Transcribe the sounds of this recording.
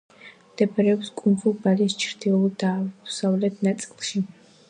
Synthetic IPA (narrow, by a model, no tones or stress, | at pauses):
d̪̥ɛpʰɛɾɛɔpskʼumvubalist͡ʃʰɾd̪iɔlˠd̪aːsavlɛt̪ʰnat̪sʼilˠʃi